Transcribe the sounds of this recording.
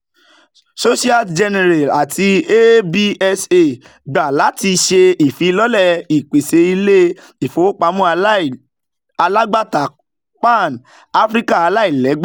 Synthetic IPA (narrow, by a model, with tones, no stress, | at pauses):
so˦ʃi˦a˦d͡ʒɛ˧nɛ˧ɾa˨la˨tʰi˧e˦bi˦ɛ˦se˦˨ | ɡ͡ba˨la˨˦ti˧ʃe˧i˨fĩ˨˧˦lɔ˦lɛ˦˨i˨k͡pe˨se˨˧˦i˧le˦ | i˨fo˨o˦k͡pa˧˦mũ˦˧˦ | a˧la˦ɡ͡ba˦ta˨ | k͡pa˦˨n | a˦fɾi˦ka˦˨a˧la˦i˦˨lɛ˨˦ɡ͡b